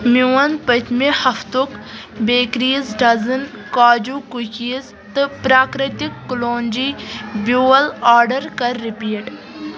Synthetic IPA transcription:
muwɐnpɐt̪ʰmehɐft̪ukbeːkɾiːzɖɐzɨn | kaːd͡ʒukukiːz | t̪ɨpɾaːkɾɪt̪ikːloːnd͡ʒiːbjuːɐlaːɾɖɐɾkɐɾːipiːɖ

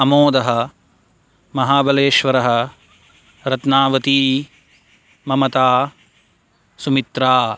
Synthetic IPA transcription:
ɐmoːd̪ɐɦɐ̆ | mɐɦaːbɐleːʃʋɐɾɐɦɐ̆ | ɾɐt̪naːʋɐt̪iː | mɐmɐt̪aː | sumit̪ɾaː

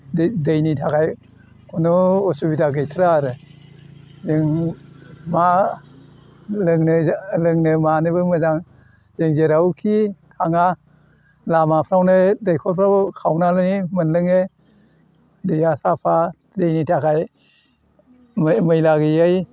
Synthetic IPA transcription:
dɯjnitʰakʰaj | kʰɔnɔɔsubidaɡɯjtʰɯɾaɾɯ | zɯŋ | ma | lɯŋnɯlɯŋnɯmanɯbɯmɯzaŋ | zeŋzeɾawkʰitʰaŋa | lamapʰɾawnɯdajkʰɔpʰɾawkʰawnalɯnimɯnlɯŋe | dɯjasapʰa | dejnitʰakʰaj | mmɯjlaɡɯjaj

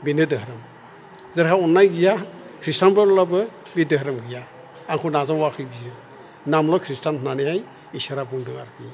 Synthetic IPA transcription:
binɯdɯhɾɯm | zaɾkaunːajɡijakʰɾistanbalɔlabɯ | bidəɦɾɯmɡijaː | ŋkʰunazawakʰɯjbijɯ | namlɔkʰɾistannanehaj | isaɾabuŋdɯŋa̰ɾkʰi

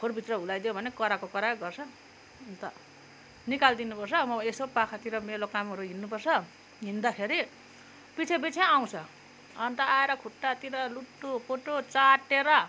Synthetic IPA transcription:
kʰoɾbʱit̪rʌɦulajd̪ijobʱʌnekʌɾakokʌɾaɡʌrt͡sʰʌ | ʌnt̪ʌ | nikald̪inupʌrt͡sʰʌmʌesopakʰat̪iɾʌmelokamɦʌɾuɦinːupʌrt͡sʰʌ | ɦind̪akʰeɾi | pit͡sʰebit͡sʰeaw̃t͡sʰʌ | ʌnt̪ʌaeɾʌkʰuʈːat̪iɾʌluʈːupoʈot͡saʈːeɾʌ

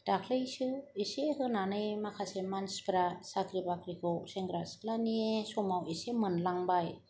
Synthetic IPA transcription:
d̥akʰleisɯesehɯnanɯjmakʰasemansbɾasakɾibakɾikoseŋɡɾaslaniesɔmawesemɯnlaŋbaj

